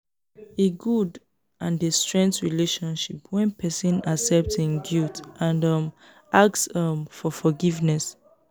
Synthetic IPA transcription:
eɡud | ʔãnestɹɛ̃ŋktɹileʃɔ̃nʃipʰwɛ̃npʰɛsĩnasɛp̚tĩnɡultʔãnʌ̃m | ʔaksʌmfɔfɔɡivnɛs

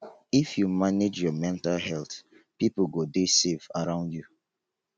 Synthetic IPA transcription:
ifjumaned͡ʒjɔmɛ̃ntalɦɛlt | pipuɡodeseva̰ɹãʊ̃ndju

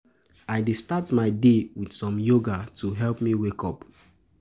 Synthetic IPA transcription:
aɪdestatmaɪdewidsɔ̃mjoɡatʰuɦɛlpmiwekɔp

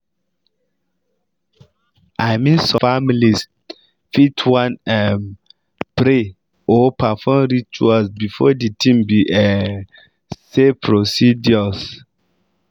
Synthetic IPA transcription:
aɪmĩnsɔfamilis | fitʰwãnɛm | b̥ɾe | ɔpafɔmɾit͡ʃualsbifɔditʰĩmbiʔɛ | sepʰɹosidɔs

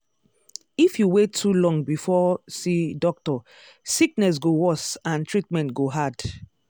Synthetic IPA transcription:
ifjuwetʰːulɔ̃ŋɡbifɔsidɔk̚tɔ | sik̚nɛs̬ɡowɔsãntɹitmɛ̃ntɡoɦad̥

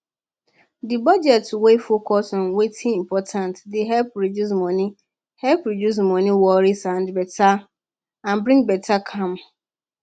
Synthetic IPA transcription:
dɪbad͡ʒɛtwefokʰɔsɔ̃nwetʰɪ̃im̩pʰɔtʰãntdɪɦɛlp̚ɾodus̬mɔ̃nĩ | hɛlpɾodus̬mɔ̃nĩwɔɾisãndbɛtʰa | ãnbɾɪ̃ŋbɛtʰakʰãm

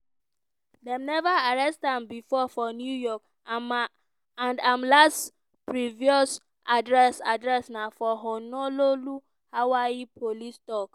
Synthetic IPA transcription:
dɛ̃mnɛvaaɹɛstãmbifɔfɔnjujɔk | m | ãndãmlast | pɹiviɔs | ʔadɹɛsadɹɛsnafɔɦɔnɔlolu | hawaipʰolistɔk

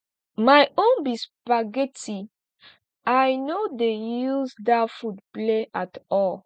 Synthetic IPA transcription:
majõnbispaɡeti | ajnodejuzdafudpleʔatɔl

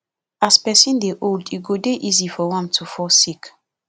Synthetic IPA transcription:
aspɛsĩndeʔoldiɡodeʔizifɔwãmtʰufɔsik

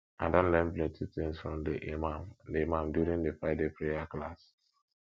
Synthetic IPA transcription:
ãdãnlɛ̃mplɛ̃tʰitĩŋsfɹɔ̃mdeʔemãmlemãmdjuɾĩndefɹaɪdepɹejaklas

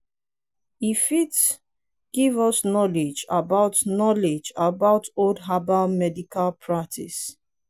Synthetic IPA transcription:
ifit | ɡ̥ivɔsnɔlid͡ʒa̰baʊtnɔlid͡ʒabaʊtodɦabalmɛdikʰalpʰɹaktʰḭs

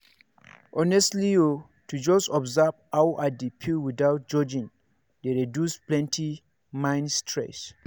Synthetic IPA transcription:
ʔɔnɛstlio | tʰud͡ʒɔstɔbzabawʔadipʰilwidaʊt̚d͡ʒɔd͡ʒĩn | deɹɛdjusplɛ̃ntʰi | mãɪ̃nstʰɹɛ̰s

